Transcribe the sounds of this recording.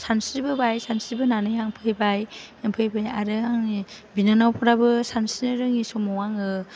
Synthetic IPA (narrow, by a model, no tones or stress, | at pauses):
sansiɾbɯbajsansiɾbɯnanɯjaŋpʰɯjbajaŋpʰɯjbajaɾɯaŋibinanawpʰɯɾabɯsansinɯɾɯŋisɔmɔwaŋɯ